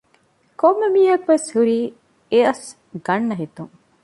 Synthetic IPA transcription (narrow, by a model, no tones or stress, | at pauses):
komːemiːɐkʋeshuɾiː | eɐs | ɡɐɳːɐɦit̪uŋ